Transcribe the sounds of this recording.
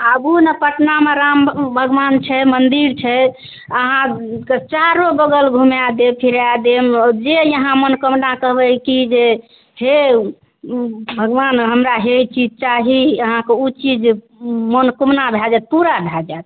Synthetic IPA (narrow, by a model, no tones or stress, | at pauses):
əbunəpəʈnameɾambʱəɡʋant͡ʃʰɛmənd̪iɾt͡ʃʰɛ | əɦãket͡ʃaɾobəɡəlɡʱumjad̪epʰiɾad̪emd͡ʒejəɦãmənkəmnakəɦbəkid͡ʒe | he | bʱəɡʋanɦəmɾaɦeit͡ʃid͡ʒt͡ʃaɦiəɦãkeut͡ʃid͡ʒ | mənkumnabʱad͡ʒat̪̚puɾabʱjad͡ʒaːt̪